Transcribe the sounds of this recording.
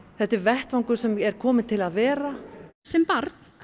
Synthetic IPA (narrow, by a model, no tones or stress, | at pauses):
θɛht̪ːɪɾvɛht̪vaŋkʏɾ̥sɛmɛɾ̥kʰɔːmɪt̪ʰɪlaðvɛːɾasɛmpaɾt̪